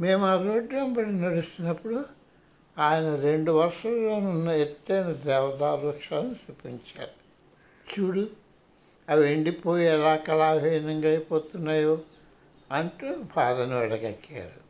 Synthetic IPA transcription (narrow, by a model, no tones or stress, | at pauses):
me̞ːmaːɾoːɖjɐmbɐɽinɐɽust̪inːɐpːuɽu | aːjɐnɐɾe̞ɳɖuʋɐɾʂɐlloːnunːɐet̪ːɐjnɐd̪eːʋɐd̪aːɾʋɐkʂaːlɐnsupːiɲt͡ʃa̰ːɽu | t͡ʃuɽu | ɐʋeɳɖipoːjiɛlaːkɐlaːbʱiːjɐnɐŋɡɐjpoːt̪unːaːjoː | ɐnʈubʱaːd̪ɐnɐʋɐɽɐɡɐkːa̰ːɽu